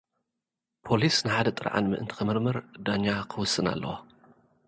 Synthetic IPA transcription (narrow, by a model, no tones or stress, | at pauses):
pʰo̞lisnɨħad̪ɐt̪ʼɨɾʕa̰nmɨ̰ʔɨnt̪ʰi̥xɨmɨɾmɐɾd̪aɲːakʰɨwʊsːɨna̰lːɐ̰wo